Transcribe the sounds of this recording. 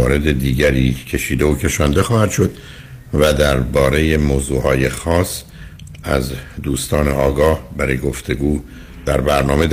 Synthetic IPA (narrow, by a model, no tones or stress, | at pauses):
ɒ̰ːɾe̞d̪e̞d̪iːɟæɾiːcʰe̞ʃiːd̪eocʰe̞ʃɒːnd̪e̞xɒːhæd̪̥ʃo̞d̪ | væd̪æɾbɒːɾe̞je̞moːzuːhɒːje̞xɒːs | æ̰zd̪uːst̪ɒːne̞ɒːɡɒːhbæɾɒːjeɡo̞ft̪ʰe̞ɡuː | d̪̥æɾbæɾnɒːme̞d̪